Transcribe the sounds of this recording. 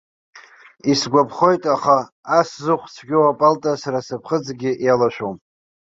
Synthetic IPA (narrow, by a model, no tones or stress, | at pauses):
isɡʷapʰχo̞jtʼaχaː | szɨχʷt͡sʰɡʲowapʼaltʼasaɾasapʰχəd͡zɡʲɪʔjalaʃʷᶣowm